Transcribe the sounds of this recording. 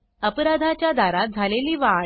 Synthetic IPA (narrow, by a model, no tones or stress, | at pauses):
əpɾad̪ʱat͡ɕjad̪ʱaɾat̪̚d͡zʱaleliːʋa